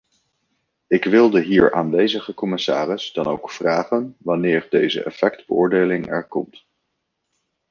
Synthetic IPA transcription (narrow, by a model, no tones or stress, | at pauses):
ɪkʋɪlˠdəɦiːɹʔaːnʋejzəχəkɔmɪsaːrɪzdɑno̰wkfraːχənʋɑnɪːɹdejzə̰ʔɛ̰fɛkdbəʊːɹdejlɪŋɛ̰ɹkɔmt